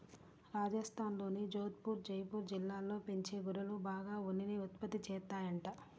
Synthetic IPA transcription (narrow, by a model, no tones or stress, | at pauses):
ɾaːd͡ʒɐst̪ʰaːnlo̞ːnid͡ʒoːt̪̚puːɾd͡ʒɐjpuːɾd͡ʒilːaːlːo̞ːpeɲt͡ʃe̞ːɡuɾɐlubaːɡaːunːiniut̪pɐt̪ːit͡ʃɛːt̪ːaːjɐɳʈa